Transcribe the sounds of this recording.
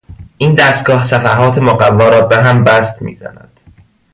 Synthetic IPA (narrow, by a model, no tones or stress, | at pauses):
ʔiːnd̪æst̪̚ɡɒːhsæfæɦɒːt̪ʰemoɣævːɒːɾɒːbeɦæmbæst̪mḭːzæ̰næ̰d̪̥